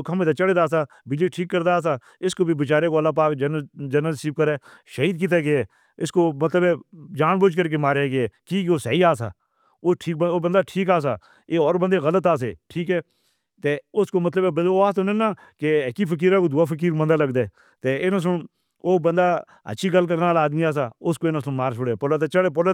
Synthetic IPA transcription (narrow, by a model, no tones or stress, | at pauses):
okəmẽːt̪aːt͡ʃəɽed̪aːsaːbɪd͡ʒeːʈʰiːkːəɾd̪aːs̬aː | ɪskoːbibɪt͡ʃaːɾeːkoəlːaːp̬aːkd͡ʒənəd͡ʒənəlsiːb̚kəɾɛː | ʃəiːd̪̚k̬it̪̬eːɡeɛː | ɪskoːmət̪ləbɛːd͡ʒaːnboːd͡ʒkəɾk̬emaːɾeɡeɛːkiːkoːsəːiːaːsa̰ː | oʈʰiːkboːbənd̪aːʈʰiːkaːs̬a̰ː | eːɔːɾbənd̪eːɣələt̪aːs̬ḛːʈʰiːkɛː | t̪eːʊskoːmət̪ləbɛbəoaːsonẽnaː | kekipʰək̬iːɾãːkoːd̪ʊːaːfək̬iːɾmə̃nd̪aːləɡd̪eː | t̪eːɪnãs̬ʊn | oːbə̃nd̪aː | ə̰tːʃʰiːɡəlk̬əɾnaːlaːd̪miaːs̬aːʊskoːɪnãːsʊnmaːɾt͡ʃʰʊɽeːpʊlaːt̪eːt͡ʃəɽeːp̬ʊla